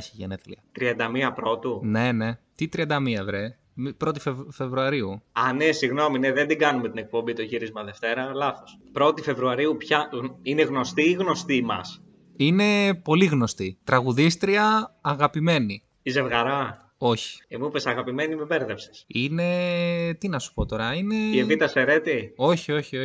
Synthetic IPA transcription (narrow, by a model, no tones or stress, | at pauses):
çiʝeneθlḭɐt̪ɾiɐnd̪ɐmiɐpɾo̞t̪une̞ne̞t̪it̪ɾiɐnd̪ɐmiɐevɾe | mipɾo̞t̪ifefe̞vɾuɐɾiuɐnesiɣno̞mineðend̪iɡɐnumet̪ine̞k̚po̞mbit̪oçiɾizmɐðe̞ft̪e̞ɾɐlɐθo̞spɾo̞t̪ife̞vɾuɐɾiupçɐɣineɣno̞st̪iɣno̞st̪imɐ̰s | ine̞po̞liɣno̞st̪it̪ɾɐɣuðist̪ɾiɐːɣɐpime̞ni | ize̞vɣɐɾɐ | o̞çi̥emupesɐɣɐpime̞nimebeɾðepse̥sine̞t̪inɐsu̥po̞t̪o̞ɾɐine̞evit̪ɐseɾe̞t̪io̞çio̞çio